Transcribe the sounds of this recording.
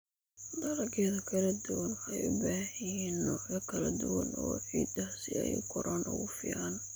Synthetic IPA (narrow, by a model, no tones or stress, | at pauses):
d̪ɐɾɐɡʰɛːðɐkʰɐlɐd̪ʊwɐnɛjʊbaːhɛjɛːnːɔːʕjɐkʰɐlɐd̪ʊwɐnɔwħḭːd̪asɪɛ̰jʊ̰kʰɔɾʔaːnʔɔ̰ɣʊfɪ̰ʕan